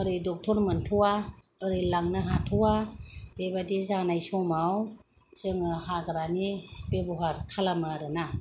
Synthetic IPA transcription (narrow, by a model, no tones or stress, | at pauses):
ɯɾɯjdɔk̚tʰɔɾmɯntʰuwa | ɯɾɯjlaŋnɯɦatʰuwab̥ebadizanajsɔmaw | z̥ɯŋɯhaɡɾanibebɔɦaɾkʰalamɯɾɯna